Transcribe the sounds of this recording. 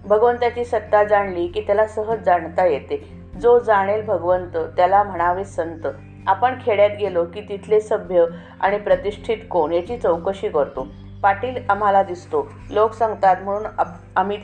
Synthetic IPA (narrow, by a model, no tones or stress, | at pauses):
bʱəɡʋənt̪at͡ɕiːsət̪ːad͡zaɳliːkiːt̪jalasəɦəd͡zaɳt̪ajet̪e | d͡zod͡zaɽ̃elbʱəɡʋənt̪ət̪jalam̤əɽ̃aʋesənt̪ə | apəɳkʰeɭjat̪ɡelokiːt̪it̪ʰlesəbʱjə | a̰ɽ̃ipɾət̪iʂʈʰit̪koɳjat͡ɕiːt͡səwkəɕiːkəɾt̪o | ʋaʈiːlam̤alad̪ist̪o | loksə̃ŋɡt̪at̪m̤əɽ̃uːn | am̤i